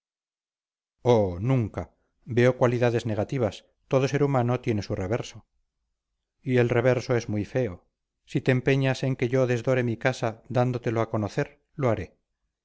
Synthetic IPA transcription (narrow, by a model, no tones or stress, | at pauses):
onũŋka | be̞o̞kwaliðaðe̞zne̞ɣat̪iβ̞as | t̪o̞ð̞o̞se̞ɾumanot̪je̞nesure̞β̞eɾso | ie̞lre̞βe̞ɾso̞e̞zmujfe̞o | sit̪eːmpe̞ɲase̞ŋke̞ʝo̞ðe̞zðo̞ɾe̞mikasad̪and̪ot̪e̞loako̞noθe̞ɾ | loaɾe̞